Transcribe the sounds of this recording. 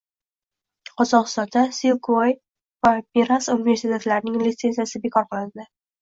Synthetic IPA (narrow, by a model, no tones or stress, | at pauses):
qʰɒzɒqɨst̪ɒnd̪asilkʰoj | vameɾasunɪve̞ɾsit̪ʰe̞t̪laɾɪnɪŋlit̪se̞nzijasɪbekʰɒɾqɨlˠɪnd̪ɪ